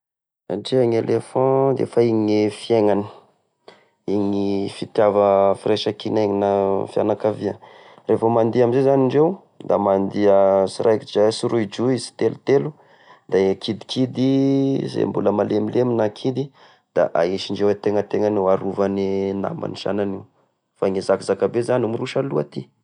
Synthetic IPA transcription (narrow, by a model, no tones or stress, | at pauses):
a̰ɳɖ͡ʐeaŋelefɑ̃d̪ḛfaiɲifieŋani̥ | iŋifit̪javəfireʃakineŋinafia̰nakaviə | refomand̪iamizezaniɳɖ͡ʐew | d̪amand̪iəsiɾʔajkid͡ʒasuɾuid͡ʒuizi̥t̪elut̪elu | d̪̥akʰid̪i̥kʰid̪izḛmbuləmalemileminakʰid̪i | d̪̥a̰ʔaiʃiɳɖ͡ʐewet̪eŋət̪eŋanuaɾuvanina̰mba̰niʃa̰naniw | faŋizakizakabezanumiruʃaluat̪i